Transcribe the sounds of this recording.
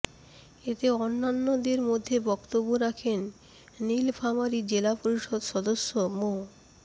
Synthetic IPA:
et̪eonːanːod̪eɾmod̪ʱːebɔkt̪obːoɾakʰenː | ilfʰamaɾid͡ʑelapoɾiʃod̪ʃɔd̪oʃːomo

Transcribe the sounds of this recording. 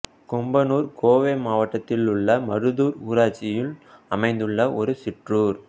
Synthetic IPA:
kɔmbɐnuːɾkoːʋeːmaːʋɐʈːɐt̪ːɪlʊɭːɐmɐɾɯðuːɾuːɾaːt͡ʃːɪjɪlɐmɐɪnd̪ɯɭːɐʔɔɾɯsɪʈruːɾ

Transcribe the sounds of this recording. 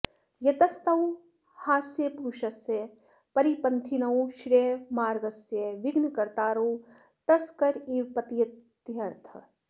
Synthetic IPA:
jɐt̪ɐst̪ɐw | haːsjeːpɾuːʃɐseː | pɐɾipɐnt̪ʰinɐw̃ʃɾeːmaːɾɡɐsjeʋɪɡnkɐɾt̪aːɾoː | t̪ɐskɐɾiːpɐt̪ijɐ | jɐɾt̪ʰɐ

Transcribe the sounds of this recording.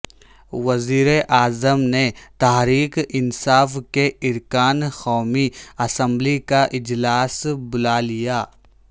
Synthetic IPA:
ʋɐziːɾeʔaːzəmnet̪aɦɾiːkɪnsaːfkeɪɾkaːnxɔːmiɐsə̃mblikaʔɪd͡ʒlaːsbʊlalijaː

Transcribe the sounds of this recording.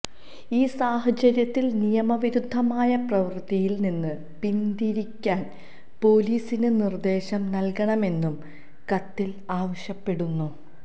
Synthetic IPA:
iːsaːhɐt͡ɕɐɾjɐt̪ːilnijɐmɐʋiɾud̪ʱːɐmaːjɐprɐʋɨrt̪ijilninːɨ | pind̪iɾikʲːaːn | po̞ːliːsinɨnird̪e̞ːɕɐmnɐlkɐɳɐme̞nːum | kɐt̪ːil | aːʋɐɕjɐpːe̞ɽunːu

